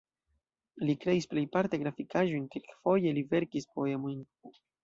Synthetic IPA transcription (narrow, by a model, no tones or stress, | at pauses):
likɾe̞isple̞jpaɾteɡɾafikaʒo̞jnkilkfo̞je̞live̞ɾkispo̞e̞mo̞jn